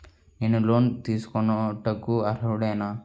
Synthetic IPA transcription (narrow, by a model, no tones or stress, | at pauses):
enuloːnt̪iːsu̥kɔnɐʈɐkːuɐɾɐɽɐjnaː